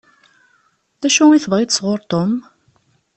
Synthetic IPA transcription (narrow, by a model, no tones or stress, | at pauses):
θæʃuiθvˤʁjt̪sʁʊɾˤt̪ˤom